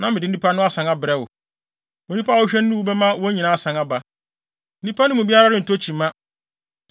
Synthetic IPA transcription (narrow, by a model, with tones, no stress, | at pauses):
nã˨mɪ˨dɪ˦n̩˦i˦pʰa˦nʊ̃˦a˦sã˨ŋa˦bɪ˨ɾɛ˦wʊ̰˨ | wɔ˨nĩ˦pʰa˦wɔ˦ɕᶣɛ˦nː˦ũ˦wu˦bɛ˦mã˦wɔ˦ɲĩ˨nã˦a˦sã˨ŋa˦ba˨ | n̩˦ĩ˦pʰa˦nʊ̃˦mũ˨bi˦a˦ɾa˦ɾɪ̃˦n̩˨tʰo˦t͡ɕʰĩ˨mã˦